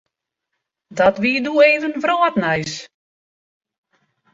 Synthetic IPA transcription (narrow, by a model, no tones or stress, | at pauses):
dɔtʋiːədueːvənvroːtnɛjs